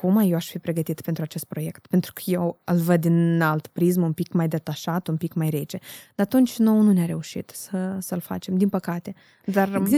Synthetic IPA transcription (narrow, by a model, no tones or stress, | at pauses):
kumajeaʃfipɾeɡət̪it̪pent̪ɾuat͡ʃest̪̚pɾojekt̪pent̪ɾukəjewəlvəd̪innalt̪pɾizmunpikmajd̪et̪aʃat̪unpikmajɾet͡ʃed̪at̪unt͡ʃnownunʲaɾeuʃḭt̪səsəlfa̰t͡ʃemd̪inpəkat̪e | d̪ar